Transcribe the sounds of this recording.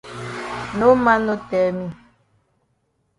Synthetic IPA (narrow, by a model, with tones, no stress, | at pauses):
nõ˦mã˦no˦t̪ɛ˨mĩ˦